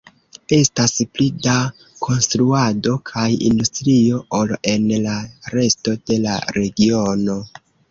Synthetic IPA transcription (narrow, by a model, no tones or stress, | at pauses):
e̞stasplida | kʰo̞nstɾuado̞kʰajḭndustɾio̞ʔole̞nlaɾe̞sto̞d̥e̞la̰ɾe̞ɡio̞no̞